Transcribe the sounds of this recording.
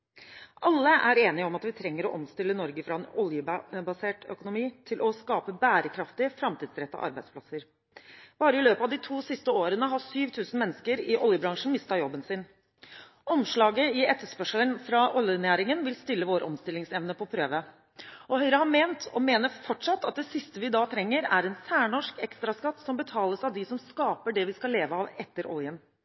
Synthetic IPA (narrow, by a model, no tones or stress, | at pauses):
ʔɑlːəʔæɾeːnɪəɔmɑt̪ʋɪt̪ʰɾɛŋːəɾɔ̰ʔɔmst̪ɪlːənɔɾɡəfɾɑɛnɔljəbɑseːʈœ̰kʊnʊmiːt̪ʰɪlʔɔskɑːpəbæːɾəkʰɾɑft̪ɪfɾɑmt̪ʰiːd̪sɾɛt̪ːɑ̰ʔɑ̰ɾbæɪspʰlɑsəɾ | b̥ɑːɾəɪløːpɑʋd̪ɪt̪ʰuːsɪst̪əoːɾənəɦɑsyːʋt̪ʰʉːsn̩mɛnːəskəɾɪʔɔljəbɾɑŋʂn̩mɪst̪ɑjɔbːənsɪn | ɔmʂɭɑːɡəɪɛt̪ːəʂpœʂələnfɾɑʔɔljnæːɾɪŋənʋɪlst̪ʏlːəʋoːɾʔɔ̰mst̪ɪlːɪŋsɛʋnəpʰɔpʰɾøːʋə | ɔhœʏɾəhɑmeːnt̪ʰɔmeːnəɾfɔʈʂɑt̪ːɑt̪̚d̪ɛsɪst̪əʋɪd̪ɑːt̪ʰɾɛŋːəɾæɾɛnsæːɳɔʂkɛkst̪ɾɑskɑt̪ːsɔmbət̪ʰɑːləsɑʋd̪ɪsɔmskɑːpəɖɛʋɪskɑleːʋəɑʋɛt̪ːəɾʔɔ̰ljən